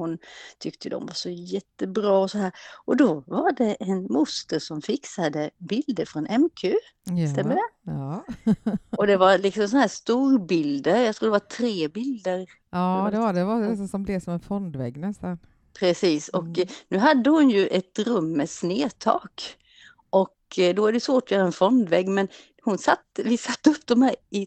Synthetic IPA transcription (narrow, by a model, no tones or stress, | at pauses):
hʊnt̪ʰʏkt̪əd̪ɔ̰mvaʂɔjɛt̪ːəbɾɑːɔsɔhæːɾʔɔd̪ɔvaɖɛʔɛnmʊst̪əɾʂɔmfɪksad̪əbɪld̪əɾfɾɔnɛmkʰʉː | stt̪ɛmːəd̪ɛː | ɔd̪ɛvaɾlɪksɔmsɔnhæːʂt̪uːɾbɪld̪əɾjɑkt̪ʰɾuːd̪ɛvaʈ̪ʰɾeːbɪld̪əɾ | aːd̪ɛadɛvasɔsɔmblɛvsɔmɛnfɔnd̪vɛɡːnɛst̪an | pʰɾɛsiːsɔknʉ̟ːɦad̪ːəhʊnjɵʔɛt̪ɾɵmːɛsneːt̪ʰɑ̰ːk | ʔɔkd̪ɔæɖɛjʉsvoːʈɔjœːɾaɛnfɔnd̪vɛɡːmɛn | hʊnsat̪ːvɪsat̪ːəɵpːd̪ɔmhæɪ